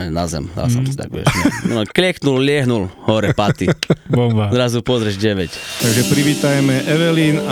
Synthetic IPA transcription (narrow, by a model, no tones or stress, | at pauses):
ɲnazɛ̰md̪a̰lsɔmsit̪a̰ɡʋɛ̰nɛɔklɪɛknullɪɛɦnulhɔɾɛpat̪ibɔbazɾazupɔzɾɛʒɟɛʋɛct̪aɡʒɛpɾiʋiːt̪ajɛmɛʔɛʋɛliːna